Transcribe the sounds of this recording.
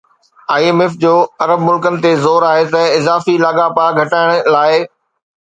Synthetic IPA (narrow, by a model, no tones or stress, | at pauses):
aːeːmɪfd͡ʑoːɐɾəbmʊlkənɪ̆t̪ezoːɾaːɦet̪ɐɪzaːfilaːɠapaɡʱɐʈaːɪɽ̃laːɪ